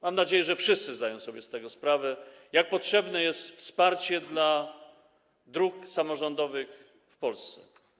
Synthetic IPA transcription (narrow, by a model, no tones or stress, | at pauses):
mamnad͡ʑejɛʐɛfʂɘst̪sɘzd̪ajɔ̃w̃sɔbʲjɛst̪ɛɡɔspɾavɛ | jak̚pɔtʂɛbnɛjɛst̪fspaɾt͡ɕɛd̪la | d̪ɾuksamɔʐɔnd̪ɔvɘx | fpɔlst̪sɛ̰